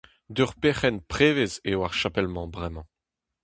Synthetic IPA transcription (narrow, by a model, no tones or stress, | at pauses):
d̪yʁpeχɛnpχeːvezewaʁʃapɛlmɑ̃bʁɛmɑ̃